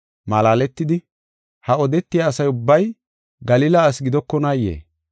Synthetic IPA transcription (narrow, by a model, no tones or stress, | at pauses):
mɐlaːlɛt̪ːɪd̪ɪ | hɐɔd̪ɛt̪ːɪjaːsɐjʊbːɐj | ɡɐliːlɐːsɡɪd̪ɔkːɔnaːjːḛː